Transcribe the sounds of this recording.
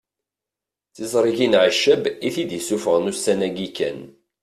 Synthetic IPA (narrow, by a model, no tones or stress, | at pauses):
θizˤɾˤiʝinʕəʃːəbiθid̪jisufəʁənusænæɡikæ̰n